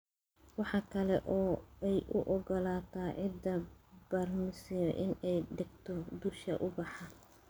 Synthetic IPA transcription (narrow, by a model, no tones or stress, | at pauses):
wɑħɑkʰɐlɛʔɔːɛjʔʊʔɔɡɔlaːt̪ʰaːʕɪd̪ɐb̥ɐrmɪsɪjɔʔɪnɛjɖɪɡt̪ʰɔd̪uʃɐ̰ʔʊbɑħɑ